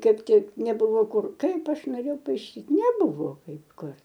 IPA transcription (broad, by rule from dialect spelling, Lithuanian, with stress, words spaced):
ˈkɐɪp ˈtʲɪk nʲɛˈbʊʋoː ˈkʊr ˈkɐɪp ˈɐʃ noːˈrʲeːjɛʊ pɐɪˈʃʲiːt nʲɛˈbʊʋoː ˈkɐɪp ˈkʊr